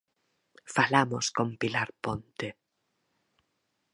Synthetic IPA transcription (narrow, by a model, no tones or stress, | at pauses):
falamoskompilaɾpont̪e